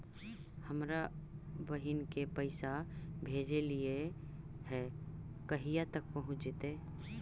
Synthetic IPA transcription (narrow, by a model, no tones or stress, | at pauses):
həmɾabəɦɪnkepəɪsabʱeːd͡ʒelie | ɦɛː | kɐɦijat̪ək̚pɐɦʊ̃t͡ʃd͡ʒɪt̪eː